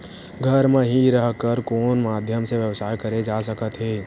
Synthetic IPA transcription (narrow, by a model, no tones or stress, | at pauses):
ɡʱəɾmẽɦiɾəɦkəɾkoːnmaːd̪ʱjəmseʋjəʋsaːjkəɾed͡ʒaːsəkət̪ɦeː